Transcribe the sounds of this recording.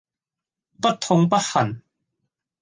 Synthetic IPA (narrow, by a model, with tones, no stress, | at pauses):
pɐ˥t̚t̪ʰːo˧ŋp̬ɐ˥t̚hɐ˨˩n